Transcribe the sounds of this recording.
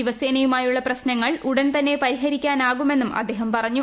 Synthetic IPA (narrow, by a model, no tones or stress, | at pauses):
iʋɐseːnɐjumaːjuɭːɐprɐɕnɐŋːɐɭuɽɐnt̪ɐnːe̞pɐɾiɦɐɾikʲːaːnaːɣume̞nːumʔɐ̰d̪ʱːeːɦɐmpɐrɐɲːu